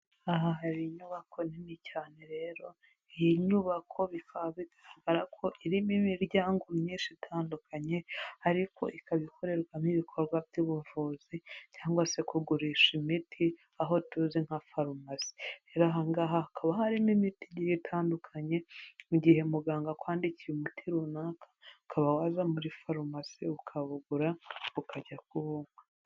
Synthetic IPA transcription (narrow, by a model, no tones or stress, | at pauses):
aɦaɦaɾiɲuːβakʰo̞ninicaːne̞ɾe̞ːɾo̞ | ijiɲuːβakʰo̞βikʰaβizaɾaɡaɾakʰo̞ʔiɾimimiɾɟaːŋɡomɲiːnʃitʰaːndukʰaɲe̞aɾikʰo̞̰ʔikaβikʰo̞ɾe̞ɾɡwamiβikʰo̞ɾɡwabɟiβuvuzicaːŋɡwase̞kuɡuɾiːʃimitʰi | aɦo̞tuziŋhafaɾumasi̥eɾaɦaŋɡaɦaakʰaβahaɾimimitiɟiɾitʰaːndukʰaɲe̞muɟihe̞muɡaːŋɡakwaːndicijumutʰiɾunaːkʰḁkʰaβawazamuɾifaɾumasiukʰaβuɡuɾaukʰaɟakuβumwe